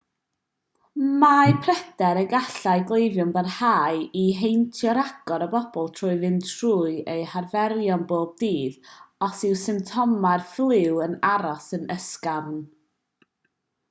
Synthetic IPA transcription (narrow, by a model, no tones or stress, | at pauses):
majpʰrɛd̥ɛɾəɡaɬajɡlˠejvjʊnbərhaːɨiɦejntʰjɔɾaɡ̥ɔɾəbɔb̥ɔlˠtʰrʊːɨvɨntʰruːɨejharvɛɾjɔnboːb̚diːðɔsɪwsɪmtʰɔmarflˠɪwənaɾɔsənəskarn